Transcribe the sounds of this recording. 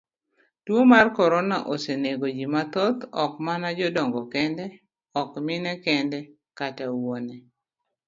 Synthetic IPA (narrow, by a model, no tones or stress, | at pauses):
twomarkɔɾonaʔoseneɡod͡ʒimat̪ɔt̪ɔkmanad͡ʒɔdɔŋɡɔkɛndɛ | ɔkmɪnɛkɛndɛ | katawonɛ